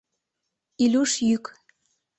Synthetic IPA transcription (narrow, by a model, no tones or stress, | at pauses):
ilʲuʃjyk